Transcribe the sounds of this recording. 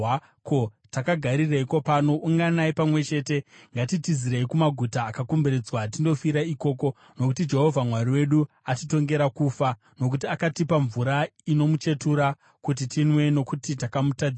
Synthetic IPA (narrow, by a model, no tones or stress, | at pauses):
ko | takaɡʱaɾireiko̞paːno̞ʔuŋɡanaipamwe̞t͡ʃe̞ːte̞ŋɡatitiziɾeikumaɡʱutaːkakumbeɾed͡zwat̬indo̞fiɾaiko̞ːko̞ | no̞kutid͡ʒe̞ɦo̞vʱamwariwe̞ɗu | atito̞ŋɡe̞ɾakuːfa | no̞k̬utiakatipaɱvuɾaino̞mut͡ʃe̞tuɾa | kut̬itinwe̞no̞kutitakamutad͡z